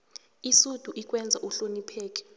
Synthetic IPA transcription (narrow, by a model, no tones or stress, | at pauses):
isud̥ʱuʔik̬ʼwɛnd͡zʱaʔuɬonipʰɛːk̬ʼɛ̥